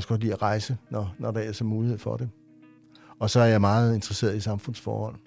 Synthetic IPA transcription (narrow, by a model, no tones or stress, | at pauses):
sɡ̥ɒd̥lḭːæʁɑ̈ɪsənɒnɒɾ̥ɑ̈æɐsɒmuːlihe̝ð̞̰ˠfɒ̽ɾ̥e | ɒ̽sɒ̽æɐjɑ̈ɪmɑ̈ːð̩ˠe̝nd̥ʁɐse̝̰ːɐðˠisɑ̈mfɔ̽n̰sfɒ̰ːhɒ̽l̰